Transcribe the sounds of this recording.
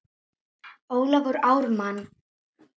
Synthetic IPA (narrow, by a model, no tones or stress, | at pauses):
oːwlavɔɾaːwɾman